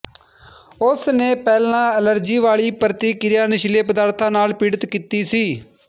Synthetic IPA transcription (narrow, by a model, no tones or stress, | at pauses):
ʊsneːpɛːlãːələɾd͡ʒiːʋaːɭiːpəɾət̪iːkɪɾjaːnɪʃleːpəd̪aːɾt̪ʰãːnaːlpiːɽət̪kiːt̪iːsiː